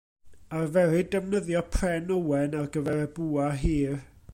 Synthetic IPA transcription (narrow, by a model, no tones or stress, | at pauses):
arvɛɾɨdɛmnəðjɔpʰrɛnowɛnarɡəvɛɾɛbuːaɦiːr